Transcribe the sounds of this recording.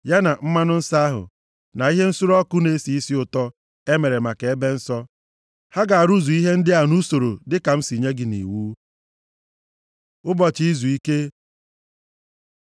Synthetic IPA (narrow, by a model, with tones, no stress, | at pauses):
ja˦na˨m̩˦ma˦nʊ˦n̩˦sa˦a˦ɦʊ̰˨ | na˨i˦ɦe˦n̩˦su˦ɾɔ˦kʊ˦ne˦si˨i˦si˦ʊ˨tɔ˦ | e˦me˨ɾe˨ma˨ke˨e˦be˦n̩˦sɔ˦ | ha˦ɡa˨a˨ɾu˦zu˨i˦ɦe˦n̩˦dɪ˦a˨nu˦so˨ɾo˨dɪ˦ka˨m̩˦si˨ɲe˦ɡɪ˨nḭ˨wuː˦ | ʊ˦bɔ˨t͡ʃi˨i˦zu˨i˦ke˦